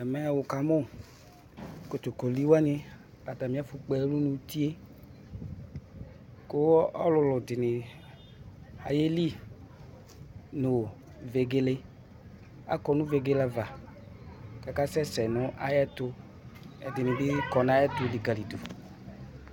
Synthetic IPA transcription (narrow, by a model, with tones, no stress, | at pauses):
ɛ˨mɛ˨wo˨ka˨mo˦ | ko˨t̪o˨ko˨li˦wa˦nɪ̃˦ | a˨t̪a˨mĩ˦a˦fʊ˨k͡pɛ˦lu˦nũ˦t̪i˦e˦ | ko˦ɔ˦lʊ˨lʊ˨dɪ˨nɪ̃˨ | a̰˨je˦li˦ | nʊ˨ | ve˨ɡe˦le˦ | a̰˨kɔ˨nũ˦ve˨ɡe˦la˦va˨ | ka˨ka˦sɛ˦sɛ˨nʊ̃˦ʔa˨jɛ˦t̪ʊ˦ | ɛ̰˨d̪ɪ˨nɪ̃˨bɪ˦kɔ˨nã˦jɛ˦t̪ʊ˦li˨ɡa˨li˨d̪o˨